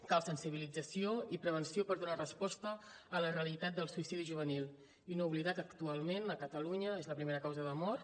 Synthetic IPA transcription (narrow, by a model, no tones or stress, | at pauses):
kalsənsiβ̞ilid͡zəsioipɾəβ̞ənsiopəɾðunarəspɔst̪əː | lərəəlit̪at̪̚d̪əlˠsuisiðiʒuβ̞ənilˠ | inouβliðakəkt̪ualˠmenəkət̪əluɲəezləpɾimeɾəkawzəðəmɔt̪